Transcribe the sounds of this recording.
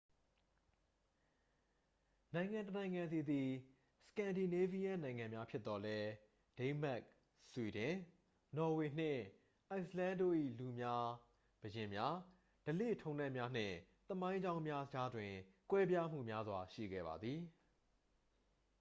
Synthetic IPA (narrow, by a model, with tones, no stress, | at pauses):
nã˨ɪ̃ŋã˨ntənã˨ɪ̃ŋã˨nd̪i˨d̪i˨ | sə̥kã˨ndi˨ne˦vi˦jã˦˨nã˨ɪ̃ŋã˨mja˦pʰjɪ˦t̪ːɔ˨lɛ˦ | d̥ẽ˦ɪ̃mɛ˦k̚ | swi˨dɪ̃˨ | nɔ˨we˨n̥ɪ̰̃˦˨ | ʔa˨˦ɪ̃slã˦ndo̰˦˨ʔḭ˦˨lu˨mja˦ | b̥əjɪ̃˨mja˦ | d̥əlḛ˦˨tʰõ˦ʊ̃nɛ˦˨ʔmja˦n̥ɪ̰̃˦˨ | t̪əmã˦ɪ̃ɲd͡ʑã˦ʊ̃mmja˦d͡ʑa˦dwɪ̃˨kwɛ˦bja˦m̥ṵ˦˨mja˦zwa˨ʃḭ˦˨ɡɛ̰˦˨ba̰˨d̪ði˨